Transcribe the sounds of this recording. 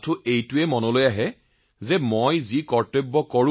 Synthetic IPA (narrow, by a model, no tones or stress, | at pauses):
tʰʊʔejtʊɛmɔnɔlojaɦɛ | zɛmojzikɔɹtobːɔkɔɹ